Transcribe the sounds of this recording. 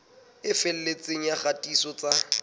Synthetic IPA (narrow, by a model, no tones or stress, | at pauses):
ɪfɛl̩let͡sʼeŋ̩jaχatʼisɔt͡sa